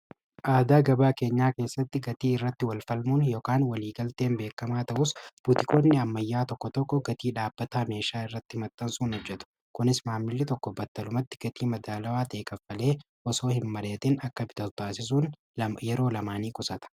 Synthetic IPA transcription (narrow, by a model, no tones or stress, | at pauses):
ʔaːd̪aːɡɐbaːke̞ːɲːaːke̞ːsːɐt̪ːɪɡɐt̪iːɪrːɐt̪ːɪwɐlfɐlmunjoːkaːnwɐliːɡɐlt̪e̞ːnbe̞ːkːɐmaːt̪ɐʔʊsb̥ut̪ɪkʼo̞ːnːɪɐmːɐjːaːt̪ɔkːɔt̪ɔkːɔɡɐt̪iːᶑaːb̥ːɐt̪aːme̞ːʃaːɪrːɐt̪ːɪmɐt̪ːɐnsuːnhɔd͡ʒːɛt̪ʊ̥ | kʊnɪsmaːmːɪlːɪt̪ɔkːɔbɐt̪ːɐlʊmɐt̪ːɪ̥ɡ̥ɐt̪iːmɐd̪aːlɐwaːt̪e̞ːkʼɐfːɐle̞ː | ʔɔso̞ːhɪnmɐleːt̪ɪnɐkːɐbɪt̪ɐt̪aːsɪs̬uːn | ɐjɛɾo̞ːlɐmaːniːkʼʊsɐt̪ɐ̥